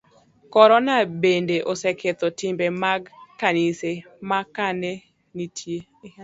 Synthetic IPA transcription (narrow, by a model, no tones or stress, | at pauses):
kɔɾɔnabendeʔosekʰet̪otɪmbemaɡkːanɪsemakane | nitʰje